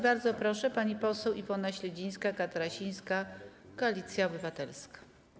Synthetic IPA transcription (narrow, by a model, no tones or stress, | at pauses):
baɾd̪zɔpɾɔʂɛpaɲipɔsɛwʔivɔnaɕlɛd͡ʑĩj̃skakat̪aɾaɕij̃ska | kɔalʲit̪sʲjaɔbɘvat̪ɛlskḁ